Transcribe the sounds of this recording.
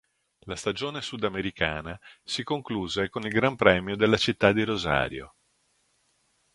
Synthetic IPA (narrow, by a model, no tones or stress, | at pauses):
last̪ad͡ʒoːnesud̪ameɾikaːnasikoŋkluːzekonilɡɾampɾɛːmjod̪elːat͡ʃit̪ːad̪ːiɾoza̰ːɾjo̰